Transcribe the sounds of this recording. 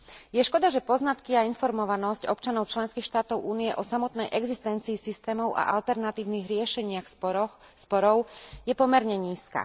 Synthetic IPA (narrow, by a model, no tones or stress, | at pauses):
jɛʃkɔd̪aʒɛpɔznat̪kiainfɔɾmɔʋanɔscɔpt͡ʃanɔʊt͡ʃlɛnskiːxʃt̪aːt̪ɔʊʔuːnijɛʔɔsamɔt̪nɛjʔɛɡzist̪ɛnt͡siːsist̪ɛːmɔʊʔa̰ʔalt̪ɛɾnat̪iːʊniːɣɾɪɛʃɛɲɪax | spɔɾɔʊjɛpɔmɛɾɲɛɲiːska̰